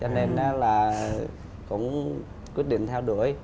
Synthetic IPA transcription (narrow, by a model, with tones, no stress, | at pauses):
t͡ɕɔ˧ne˧na˨˦laː˨˩ | kʊ̰˧˥ŋ͡m | kwi˦˥ət̚ɗḭ˧˨ŋ̟t̪ʰɛ˧wɗu˧˩əj